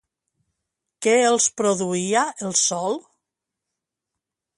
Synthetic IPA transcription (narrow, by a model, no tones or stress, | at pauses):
kɛelˠspɾoðuiaelˠsɔlˠ